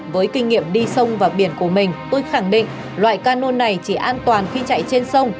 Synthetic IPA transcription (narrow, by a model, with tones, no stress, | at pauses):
vəː˨˦jkï˧ŋ̟ːḭ˧˨əmɗi˧sə˧wŋ͡mvaː˨˩ɓi˧˩ənku˧˩əmï˨˩ŋ̟t̪o˧jxa˧˩ŋɗḭ̈˧˨ŋ̟ | lwa̰ː˧˨jkaː˧no˧nːa˨˩jt͡ɕi˧˩ʔaː˧nt̪waː˨˩nxi˧t͡ɕa̰˧˨jt͡ɕe˧nsə˧wŋ͡m